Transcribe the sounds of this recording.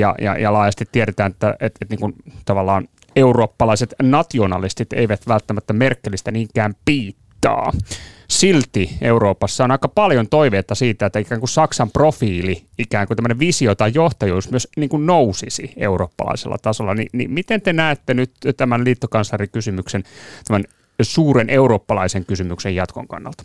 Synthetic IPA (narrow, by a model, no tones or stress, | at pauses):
jɑ̰jɑ̰jɑlɑːjɑst̪it̪ːiæɾet̪æːnet̪ːæʔet̪et̪niːŋkunt̪ɑʋɑlːɑːn | euroːpːɑlɑiset̪nɑt̪ionɑ̰list̪it̪ḛiʋæt̪ʋælt̪ːæmæt̪ːæmerkːelːˑist̪æniːŋkæːmpiːt̪ːɑ̰ːsilt̪ieuroːpɑsːɑonɑikɑpɑljont̪oiʋeːt̪ːɑsiːt̪æet̪ːæikæːŋkussɑksɑmprofiːliikæːŋkut̪æmːəneʋisiot̪ɑijjoht̪ɑjuːsmyøsniːŋkunnousisḭḛuroːpːɑ̰lɑ̰isḛlːɑ̰t̪ɑsolːɑ̰nḭnḭmit̪ent̪enæːt̪ːenyt̪t̪æmænliːt̪ːokɑnslɑrikysymyksent̪æmæn | suːɾenʔeurɾoːpːɑlɑ̰iseŋkysymyksejɑt̪ko̰ŋkɑ̰nːɑ̰lt̪ɑ̥